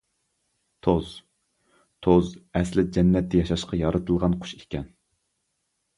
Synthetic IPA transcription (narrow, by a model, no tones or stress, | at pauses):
t̪ʰoz | t̪ʰozɛslɪd͡ʒɛnːɛt̪ʰːɛjɑʃɑʃqɑjɑɾɨt̪ʰɨlˠʁɑnqʰʊ̥ʃikʲɛn